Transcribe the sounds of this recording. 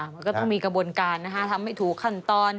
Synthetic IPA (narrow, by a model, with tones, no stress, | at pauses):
ma˧kɔː˥˩t̪ɔ˥˩ŋmiː˧kɾa˧buː˧ənkaː˧nːa˦˥kʰa˦˥t̪ʰa˧mha˥˩jt̪ʰuː˩˦kʰːa˥˩nt̪ɔː˧n